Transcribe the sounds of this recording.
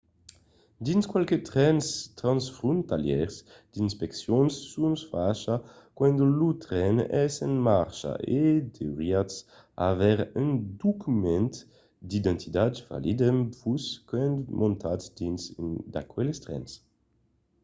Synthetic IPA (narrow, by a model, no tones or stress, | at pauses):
d̪inskwalket̪ʁɛnst̪ɾãnsfɾũnt̪aljɛ̰ʁs | d̪̥inspɛksjonsːunsfaʃa | kwɛnd̪olut̪ʁɛnɛsɛnmaʁʃa̰ʔed̪eʁiats | a̰vɛʁynd̪ukymɛ̃nt̪ | d̪id̪ɛ̃nt̪ʰid̪adva̰lid̪ɛmvuskɛnd̪mʔõnt̪asd̪̥insd̪a̰kwɛlest̪ʁɛ̰ns